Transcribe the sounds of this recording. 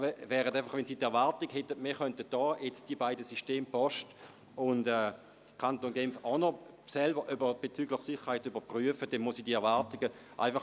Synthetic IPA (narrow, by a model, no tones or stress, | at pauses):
vɛːʁətaɪfɑχʋɛnsiːtɛɐvaɐtiɡhɛtːəmiːχœntət̚d̥ɔːjet͡sd̥ibaɪdəsiʃteːmpɔʃt | ʊndɛː | kʰantoːnɡɛmfɔno | sɛlbəʁʔybəb̥et͡syːɡlɪχsɪχəʁhaɪtyb̥ɐpʁyəfəd̥ɛnmuəsiːdiɛɐʋaɐtiɡəʔa̰ɪfɑχ